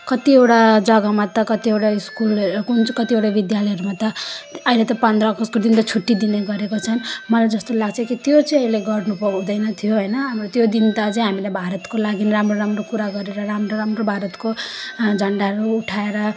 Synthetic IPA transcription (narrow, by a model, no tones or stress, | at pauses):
kʌt̪iewʈad͡zʌɡʌmat̪ʌkʌt̪iewʈaiskulkunt͡skʌt̪iewʈabid̪jalʌjɦʌɾumat̪ʌʌilet̪ʌpʌnd̪rʌːɡʌskod̪int̪ʌt͡sʰuʈːid̪ineɡʌɾekot͡sʰʌnmʌlajd͡zʌst̪olaɡt͡sʰʌkit̪jot͡sʌj̃ʌileɡʌrnupʌd̪ʌjnʌt̪ʰijoɦʌjnʌɦamrot̪jod̪int̪ʌt͡sʌj̃ɦamilajbʱaɾʌt̪kolaɡinramroɾamrokuɾaɡʌɾeɾʌɾamroɾamrobʱaɾʌt̪kod͡zʱʌɳɖaɾuuʈʰaeɾʌ